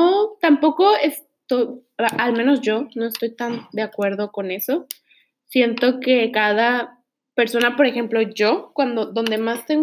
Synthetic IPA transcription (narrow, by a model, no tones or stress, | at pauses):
ot̪ampo̞ko̞es | t̪ojalmẽ̞no̞zʝo̞no̞e̞st̪o̞jt̪and̪eakwe̞ɾð̞o̞ko̞ne̞so̞ | sje̞nt̪o̞ke̞kaða | pe̞ɾso̞napo̞ɾe̞xe̞mplo̞ʝo̞kwand̪o̞ðo̞nd̪e̞mast̪e̞ŋ